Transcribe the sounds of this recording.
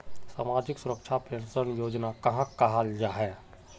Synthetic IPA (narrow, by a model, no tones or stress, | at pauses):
sa̰ːmaːd͡ʒɪksʊɾəkʃʰapensənjoːd͡ʒnakɐɦãkɐɦald͡ʒaɦɛː